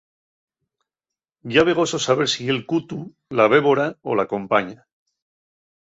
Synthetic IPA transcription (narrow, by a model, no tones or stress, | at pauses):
ɟ͡ʝaβe̞ɣ̞o̞so̞saβ̞e̞ɾsie̞lkut̪u | laβ̞e̞βo̞ɾao̰lakõ̞mpaɲa